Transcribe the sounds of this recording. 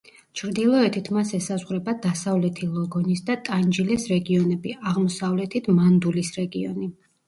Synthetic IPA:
t͡ʃʰɾd̪ilˠɔɛt̪ʰit̪ʰmasɛsazʁɾɛbad̪asavlɛt̪ʰilˠɔɡɔnisd̪at̪ʼand͡ʒilɛsɾɛɡiɔnɛbiaʁmɔsavlɛt̪ʰit̪ʰmand̪ulisɾɛɡiɔ̰ni

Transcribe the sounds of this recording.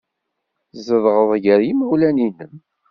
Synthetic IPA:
zəðʁəðˤʝəɾjiməwlæninəm

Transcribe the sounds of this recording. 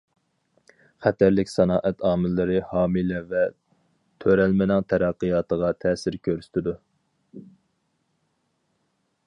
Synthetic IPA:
χæt̪æɾlɪkʲsɑnɑːʔɛt̪ʰɑːmɪlːɨɾɨhɑːmɨlɛvɛ | t̪ʰøɾælmɪnɪŋt̪ʰɛɾæqːəjɑːt̪ʰəʁɑt̪ʰɛːsɪɾkʲʰøɾsy̥t̪ʰɪd̪u

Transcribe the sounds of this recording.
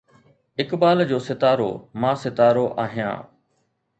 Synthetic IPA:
ɪkbaːld͡ʑoːsɪt̪aːɾo̰ːmãːsɪt̪aːɾoʔaːɦijã̰ː

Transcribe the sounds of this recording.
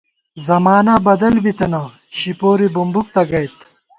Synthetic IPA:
zɐmaːnɐbɐd̪ɐlbit̪ɐna | ɕipoːɾibumbuk̚t̪ɐɡɐjt̪

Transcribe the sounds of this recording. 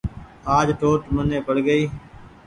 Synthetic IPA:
aːd͡ʒʈoːʈmənẽːpəɽɡəiː

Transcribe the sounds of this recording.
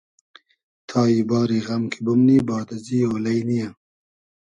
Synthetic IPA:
t̪ʰɑːjibɑːɾiːɣɐmkʰibumniːbɑːt̪aziːoːlɐjnija

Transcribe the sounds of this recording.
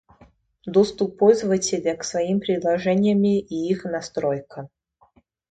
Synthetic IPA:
d̪ost̪ʊpːolʲzəvətʲɪlʲəksvɐimpɾʲɪd̪lˠɐʐɛnʲɪjəmʲɪʔiixnɐst̪ɾojkə

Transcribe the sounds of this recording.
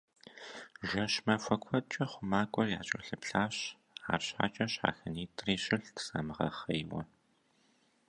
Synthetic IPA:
ʒɐɕmɐfʷɐkʷʰɐt͡ʃʼɐχʷʊmaːkʷʼɔrjaːt͡ʃʼɐ̰ɬɨpɬaːɕ | a̰ːrɕħa̰ːt͡ʃʼɐɕa̰ːxɐniːtʰʼriːɕɪɬtʰsamɨʁɐ̰χɐjwɐ̰

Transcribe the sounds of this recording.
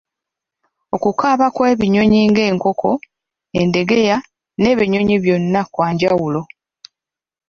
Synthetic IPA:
o̞kukaːβakwe̞ːβiɲo̞ɲiːŋɡe̞ːŋko̞kʰo̞ | ende̞ɡe̞ja | ne̞ːβiɲo̞ɲiβjo̞nːakwaːɲɟawulo̞

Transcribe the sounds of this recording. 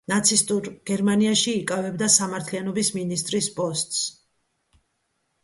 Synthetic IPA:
nat̪sʰist̪ʼuɾɡ̥ɛɾmaniaʃiːkʼavɛbd̪asamaɾt̪ʰlianɔbisminist̪ʼɾispʼɔst̪ʼs

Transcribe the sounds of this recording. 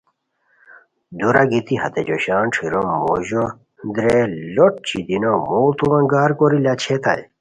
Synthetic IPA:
d̪uɾaɡit̪ihɐ̰t̪ed͡ʑoɕaːnʈ͡ʂʰiɾomːoʑo | nd̪ɾeloʈ̚t͡ɕid̪inomoːt̪uʋɐ̃ŋɡaːɾkoɾilat͡ɕʰet̪a̰j

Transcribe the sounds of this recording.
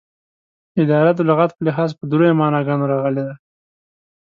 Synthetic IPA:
ɪd̪ɑɾad̪ʊlɣat̪̚pəlɪɦɑzpəd̪ɾojemɑnɑɡɑnoɾɑɣəled̪a

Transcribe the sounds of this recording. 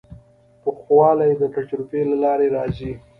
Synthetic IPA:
pəxwɑlajd̪əʈaʈɾupelalɑɾeɾɑzi

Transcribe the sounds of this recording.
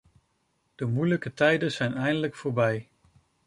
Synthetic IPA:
d̥əmujləkətɛjdənz̥ɛjnɛjndələkfoːɹbɛj

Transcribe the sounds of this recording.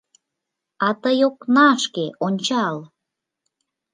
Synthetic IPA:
ɑt̪əjoknɑʃkeʔonʲt͡ɕɑl

